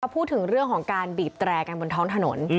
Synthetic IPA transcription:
a˧wpʰuː˥˩t̪ʰːɯ˨˩˦ŋɾɯ˥˩əŋkʰɔː˩˦ŋkaː˧nbiː˨˩p̚t̪ɾɛː˧ka˧nbo˧nt̪ʰɔː˦˥ŋt̪ʰa˧no̰˩˦n

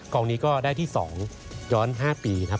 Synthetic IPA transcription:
kɔː˧ŋniː˦˥kɔː˥˩daː˥˩jt̪ʰiː˥˩sɔ̰ː˩˦ŋ | jɔː˦˥nɦaː˥˩piː˧kʰa˦˥p̚

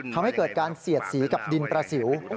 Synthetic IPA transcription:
t̪ʰa˧mha˥˩jkɤː˨˩t̪̚kaː˧nsi˨˩ət̪̚siː˩˦ka˨˩p̚di˧npɾaː˧si˨˩˦w

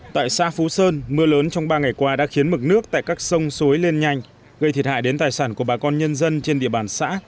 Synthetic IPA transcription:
t̪a̰ː˧˨jsa̰ː˧˥fu˨˦səː˧nmɨ˧ələː˨˦nt͡ɕɔ˧wŋ͡mɓaː˧ŋa˨˩jkwaː˧ɗa̰ː˧˥xi˨˦ənmɨ˨˩k̚nɨ˦˥ək̚t̪a̰ː˧˨jkaː˦˥k̚sə˧wŋ͡mso˨˦jle˧nɲa˧˩jŋ̟ | ɣə˧jt̪ʰi˨˩ə˩t̚ha̰ː˧˨jɗe˨˦nt̪aː˨˩jsaː˧˩nku˧˩əɓaː˨˩kɔ˧nɲə˧nzə˧nt͡ɕe˧nɗḭ˧˨əɓaː˨˩nsa̰ː˧˥

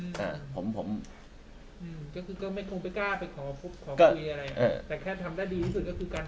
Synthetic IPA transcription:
ʔa˧˩pʰo˩˦mpʰo˩˦m | ʔɯː˧mkɔː˥˩kʰɯː˧kɔː˥˩ma˥˩jkʰo˧ŋpa˧jkaː˥˩pa˧jkʰɔː˩˦pʰu˥˩p̚kʰɔː˩˦˥u˧i˧ʔa˧ɾa˧jʔa˩ʔa̰˧˩t̪ɛː˨˩kʰɛː˥˩t̪ʰa˧mdaː˥˩jdiː˧t̪ʰiː˥˩su˨˩kɔː˥˩kʰɯː˧kaː˧n

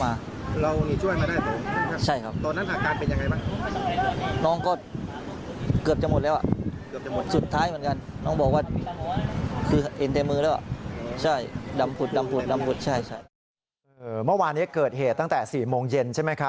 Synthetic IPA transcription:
maː˧ | ɾa˧wmiː˧t͡ɕʰu˥˩əjmaː˧daː˥˩jpoː˨˩˦t͡ɕʰa˥˩jkʰa˦˥p̚t̪ɔː˧na˦˥nt̪ʰaː˧˩kaː˧npe˧nja˧ŋa˧jbaː˥˩ | nɔː˦˥˩ŋkɔː˥˩ | kɯ˨˩əp̚t͡ɕa˨˩mo˨˩t̪̚lɛː˦˥wʔa̰˨˩ | ɯ˨˩˨su˨˩t̪ʰːaː˦˥jmɯ˩˦ənŋka˧nnɔː˥˩ŋbɔː˨˩k̚waː˥˩ | kʰɯː˧ʔe˧nt̪e˧mɯː˧lɛː˦˥wʔa̰˨˩ʔt͡ɕʰa˥˩jda˧mpʰu˨˩t̪̚da˧mpʰu˨˩da˧mpʰu˨˩t̪̚t͡ɕʰa˥˩jt͡ɕʰa˥˩j | ʔɤː˨˧mɯ˥˩waː˧nːi˦˥kɤː˨˩t̪̚heː˨˩t̪ːa˥˩ŋt̪ɛː˨˩siː˨˩moː˧ŋje˧nt͡ɕʰa˥˩ma˦˥jkʰa˦˥

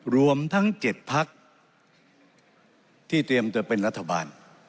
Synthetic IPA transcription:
ɾu˧əmt̪ʰa˦˥ŋt͡ɕe˨˩t̪̚pʰa˦˥k̚ | t̪ʰiː˥˩t̪ɾi˧əmt̪u˧˩pe˧nɾa˦˥t̪ʰːa˧baː˧n

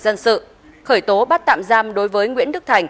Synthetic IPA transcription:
zə˧nsɨ̰˧˨ | xəː˧˩jt̪o˨˦ɓaː˦˥t̚t̪a̰ː˧˨mzaː˧mɗo˨˦jvəː˨˦jŋwḭ˧˥ənɗɨ˦˥k̚t̪ʰa˨˩jŋ̟

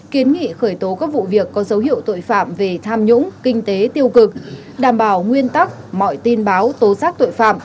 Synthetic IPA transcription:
ki˨˦ənŋḭ˧˨xəː˧˩jt̪o˨˦kaː˦˥k̚vṵ˧˨vi˨˩əkːɔ˨˦zə˨˦whḭ˧˨əwt̪o̰˧˨jfa̰ː˧˨mve˨˩t̪ʰaː˧mɲʊ̰˧˥ŋ͡mkï˧ŋ̟t̪e˨˦t̪i˧əwkɨ˨˩k̚ | ɗaː˧˩mɓaː˧˩wŋwi˧ənt̪a˦˥k̚mɔ̰˧˨jt̪i˧nɓaː˨˦wt̪o˨˦saː˦˥k̚t̪o̰˧˨jfa̰ː˧˨m

